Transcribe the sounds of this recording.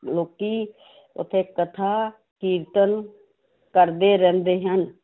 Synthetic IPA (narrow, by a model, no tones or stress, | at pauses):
loːki | ʊ̰t̪ʰekət̪ʰa | kiːɾt̪ən | kəɾd̪eɾɛ̃ːnd̪eːɦən